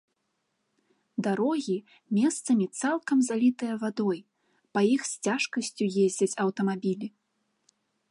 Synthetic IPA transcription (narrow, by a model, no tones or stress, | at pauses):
d̪aɾɔɣʲi | mʲɛst̪sɐmʲit̪salˠkɐmzalʲit̪ɨjɐvad̪ɔj | pɐjixsʲt͡sʲaʂkɐsʲt͡sʲujezʲd͡zʲɐt͡sʲɐwt̪ɐmabʲilʲi